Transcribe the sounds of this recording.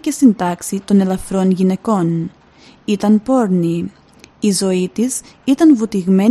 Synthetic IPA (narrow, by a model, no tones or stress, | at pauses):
ce̞st̪ind̪ɐksit̪o̞ne̞lɐfɾo̞nʝine̞ko̞n | it̪ɐnpo̞ɾniː | zo̞it̪is | it̪ɐnvut̪iɣme̞